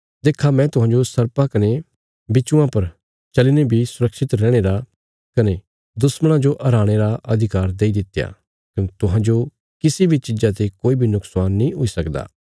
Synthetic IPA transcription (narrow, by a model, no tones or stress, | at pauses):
d̪eːkʰamɛ̃ːt̪ʊɦãːd͡ʒosɐɾpakɐne | bɪt͡ʃũãpɐɾ | t͡ʃɐlinebʱisʊɾəkʃɪt̪ɾɛːɽ̃eːɾa | kɐne | d̪ʊsməɽ̃ãd͡ʒoʔʔɐɾaːɽ̃eɾaʔɐd̪ʱɪkaːɾd̪eːid̪ɪt̪ːeja̰ː | kɐnet̪ʊɦãːd͡ʒo | kɪsibʱit͡ʃɪd͡ʒat̪ekoːibʱinʊksaːnːĩɦoisɐkd̪a̰ː